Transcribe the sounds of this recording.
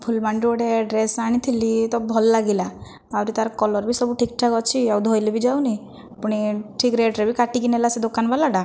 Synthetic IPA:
pʰulmaɳɖoɽeɖɾesaɽ̃it̪ʰilit̪ɔbʱɔlːaɡila | awɾit̪aɾkɔlɔɾbʱisɔbuʈʰik̚ʈʰakɔt͡ʃʰiawd̪ʱɔjlebid͡ʒawni | apuɽ̃iʈʰikɾeɖɾebikaʈikinelased̪okanbalaɖa

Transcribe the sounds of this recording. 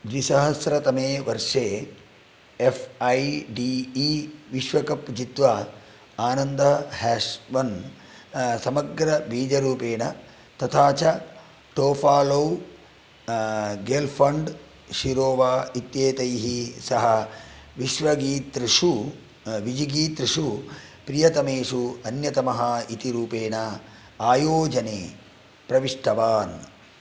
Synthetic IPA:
d͡ʒisɐɦɐsɾɐt̪ɐmeːʋɐɾʂeː | efɐjɖiːiːʋiʃʋɐkɐpd͡ʒit̪ʋɐ | aːnɐnd̪ɐhɛːʃʋɐn | sɐmɐɡɾɐbʱiːd͡ʒɐɾuːpeːɳɐ | t̪ɐt̪ʰaːt͡ʃɐ | ʈoːpʰaːloː | ɡeːlpʰɐɳɖ | ʃiɾoːʋaːit̪jeːt̪ɐjɦisɐɦɐʋiʃʋɐɡiːt̪ɾiʂu | ʋid͡ʒiɡiːt̪ɾiʂu | pɾijɐt̪ɐmeːʂuɐnjɐt̪ɐmɐɦɐit̪iɾuːpeːnɐ | aːjoːd͡ʒɐneː | pɾɐʋiʂʈɐʋaːn

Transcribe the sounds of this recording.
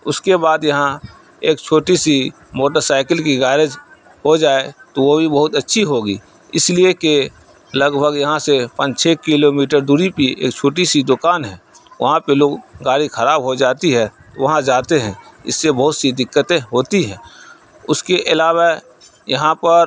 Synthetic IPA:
ʊskebaːd̪jɐɦã | eːk̚t͡ʃʰoːʈisi | moːʈəɾsaːɪkəlkiɡaːɾəd͡ʒ | ɦod͡ʒaːet̪oʋobʱibəɦʊt̪ətːʃʰiɦoːɡḭː | ɪslieke | ləɡbʱəɡjɐɦãsepə̃d͡ʒt͡ʃʰekɪloːmiːʈəɾd̪uːɾipiḛːk̚t͡ʃʰoːʈisid̪ʊkaːnɦɛ̃ː | ʋɐ̰ɦãpeloːɡɡaːɾixʰəɾaːbɦod͡ʒaːt̪iɦɛ | t̪oʋɐɦãd͡ʒaːt̪eɦɛ̃ɪ̰sːebɐɦʊt̪sid̪ɪkːət̪ẽɦoːt̪iɦɛ̃ː | ʊskeʔɪlaːwa | jɐɦãpəɾ

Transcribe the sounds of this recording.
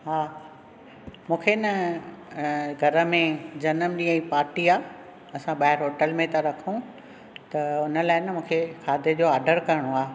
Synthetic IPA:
ɦaː | mũːkʰenə | ɡʱɐɾə̆mẽd͡ʑɐnəmɗĩːə̃ipaːɾʈiaː | ɐsãɓaːɦɪɾɦoːʈəlmẽt̪aɾɐkʰũ | t̪ɐʊnə̆laːɪnɪmũːkʰekʰaːd̪ʱəd͡ʑoːaːɾɖəɾkɐɾɪɽ̃oaː

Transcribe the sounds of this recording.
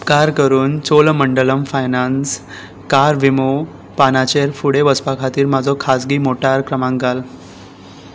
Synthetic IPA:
pkaɾkəɾuːnt͡solməɳɖələmfajnans | kaɾʋimo | panat͡ɕeɾfuɽeʋəspakʰat̪iːɾmad͡zʱɔkʰasɡiːmoʈaɾkɾəmãŋɡal

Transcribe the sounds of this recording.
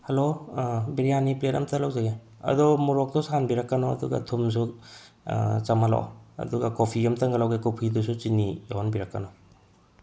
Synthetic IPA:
hɐlobiɾijanipletɐmtɐlawzaɡe | ɐ̰dɔmuɾɔk̚tɔsanbiɾɐkːanɔɐ̰dṵɡa̰tʰums̬u | t͡ʃɐmala̰wɐ̰duɡakopʰiɐmtɐŋɡalawɡekopʰidusut͡ʃinijoɦɔnbiɾɐkːanɔ

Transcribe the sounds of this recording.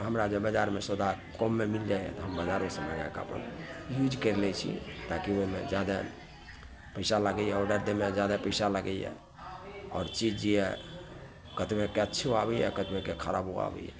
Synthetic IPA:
ɦəmɾad͡ʒebəd͡ʒaɾmesəd̪a | komːemild͡ʒajɛ̰t̪ɔɦəmbəd͡ʒaɾmesə̃məd͡ʒakə̰pə̰njud͡ʒkəɾlɛt͡ʃʰḭt̪akioimḛd͡ʒjad̪a | pəɪsaləɡəjɛɔɾɖəɾd̪emed͡ʒjad̪apəɪsaləɡəjjɛ̰ | ɔ̰ːɾt͡ʃid͡ʒd͡ʒiɛ | kət̪bekeətːʃʰoabɛjɛ̰kət̪bekekʰəɾa̰boa̰bɛ̰jɛ̰

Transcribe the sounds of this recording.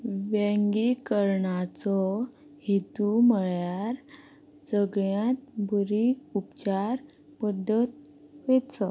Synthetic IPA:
ʋẽŋɡikəɾɳat͡sɔ | het̪uməɭjaɾ | d͡zəɡɭjãt̪̚bʱuɾiupt͡ɕaɾ | pəd̪ʱːət̪̚ | ʋet͡sə

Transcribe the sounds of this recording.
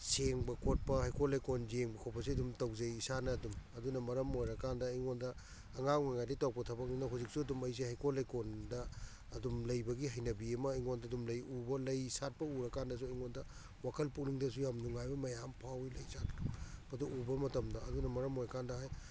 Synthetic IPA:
seŋbɐkot̚pɐhajkʰolejkonzeŋbɐkʰowpɐs̬iɐdumtɐwzɐjisanɐːdumɐdunɐmɐɾɐmojɾɐkandɐːjŋondɐː | ŋaŋaŋajditawpɐtʰɐbɐk̚ninɐɦuzik̚suɐdumɐjs̬iɦajkʰolejkondɐː | dumlɐjbɐɡiɦɐjnɐbiɐmɐːjŋondɐdumlɐjubɐlɐjsat̚pɐuɾɐkandɐs̬uɐjŋondɐ | wakʰɐlpuk̚niŋdɐs̬ujamnuŋajbɐmɐjampʰawilɐjsatbɐduʔubɐmɐtɐmdɐɐdunɐmɐɾɐmojɾɐkandɐɦaj

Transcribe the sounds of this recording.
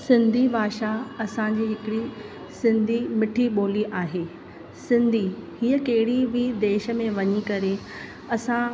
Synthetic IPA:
sɪ̃nd̪ʱibʱaːʃaɐsãd͡ʑiːɦɪkɪɽi | sɪ̃nd̪ʱimɪʈʰiɓoːliʔaːɦeː | sɪ̃nd̪ʱihiːəkɐɦɪɽibid̪eːʃə̆mẽʋɐɲikɐɾe | ɐsã

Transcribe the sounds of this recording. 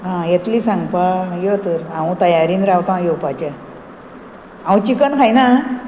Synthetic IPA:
ɦãjet̪liːsãŋɡpaɡjot̪əɾãwũt̪əjaɾiːnɾawt̪ãjopat͡ɕa | ãwũt͡ɕikənkʰajna

